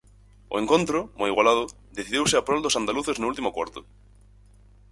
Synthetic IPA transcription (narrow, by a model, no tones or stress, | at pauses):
o̰eŋkont̪ɾomojiɣwalað̞o | d̪eθiðiewseapɾold̪osand̪aluθeznoult̪̬imokwa̰ɾt̪o